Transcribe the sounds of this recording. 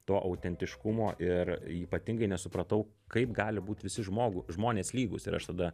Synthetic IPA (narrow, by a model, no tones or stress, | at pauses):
t̪oːʔɐʊt̪ʲɛnʲt̪ʲɪʃkʊmoːʔɪriːpɐt̪ʲɪŋɡɐɪnʲɛsʊpɾɐt̪ɐʊ | kɐɪpɡɑːlʲɪbuːt̪ʲʋʲɪsʲɪʒmoːɡʊʒmoːnʲeːslʲiːɡʊsɪ̰ɾɐ̰ʃt̪ɐd̪ɐ